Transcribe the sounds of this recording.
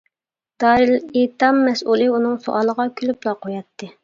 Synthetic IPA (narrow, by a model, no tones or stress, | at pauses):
d̪̥ɑːɾilet̪ɑmːɛsulˠɨunɨŋso̰ʔɑːlˠəʁɑkʲʰylyplˠɑqʰojɑt̪ʰːɨ